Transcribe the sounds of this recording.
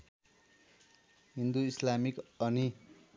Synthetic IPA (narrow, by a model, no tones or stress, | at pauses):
ɦind̪uislamikʌni